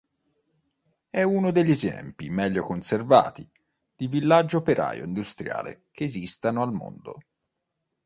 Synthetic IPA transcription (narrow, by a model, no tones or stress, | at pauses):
ɛunod̪eʎːezɛ̰mpimɛʎːokonserva̰ːt̪i | d̪̥ivilːad͡ʒːoopeɾʔa̰ːjo̰ind̪ust̪ɾja̰ːlḛkeːzist̪anoalmo̰nd̪o̰